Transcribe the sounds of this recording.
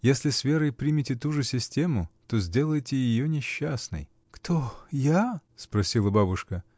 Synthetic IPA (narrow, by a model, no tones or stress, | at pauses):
jesʲlʲɪsvʲe̞ɾɨjpɾʲimʲɪtʲɪt̪uʐɨsʲɪsʲtʲe̞mʊt̪ozʲdʲe̞lˠəjtʲɪjɪjonʲɪɕːasnɨ̰j | kt̪ʰojaspɾɐsʲilˠəbabʊʂkə